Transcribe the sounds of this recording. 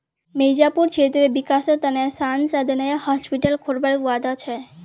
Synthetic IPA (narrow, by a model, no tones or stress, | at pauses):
mejd͡ʑapuɾt͡ɕʰet̪ɾebikaset̪anasansad̪ʱinaehɔspiʈalkʰoɾbaɾewad̪at͡ɕʰe